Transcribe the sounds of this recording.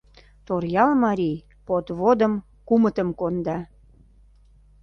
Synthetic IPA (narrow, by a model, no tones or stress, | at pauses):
t̪orjɑlmɑɾʲij | pot̪βod̪ə̆m | kumət̪əmkond̪ɑ